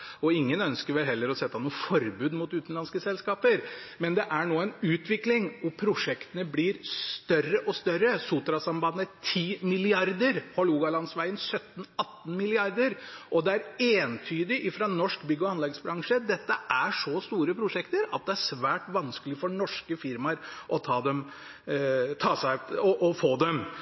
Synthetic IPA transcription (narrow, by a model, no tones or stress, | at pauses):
ɔɪŋːənœnskəɾʋɛlɦɛlːəɾɔsɛt̪ːɑnuːəfɔɾbʉːd̪mʊt̪ʉːt̪nlɑnskəsɛlskɑːpəɾmɛnd̪ɛʔæɳoːɛɪnʉːt̪ʰʋɪklɪŋɔpʰɾʊʂɛkt̪ənəblɪɾst̪œrəʔɔst̪œɾːəsut̪ɾɑsɑmbɑd̪nət̪ʰiːmɪlɪɑɾd̪əɾhɔluːɡɑlɑnsʋæɪənsœt̪ːn̩ɑt̪ːn̩mɪlɪɑɾd̪əɾʔɔd̪ɛæɾeːnt̪ʰyːd̪ɪʔɪfɾɑnɔʂkbʏɡːəɔɑnlɛɡsbɾɑŋʂəd̪ɛt̪ːəʔæʂɔst̪uːɾəpʰɾʊʂɛkt̪əɾɑ̰t̪̚d̪ɛæʂʋæːʈʋɑnskəlɪfɔɳɔʂkəfɪɾmɑɾʔɔt̪ʰɑːd̪ɛm | t̪ʰɑːsæɪɔʔɔfoːd̪ɛm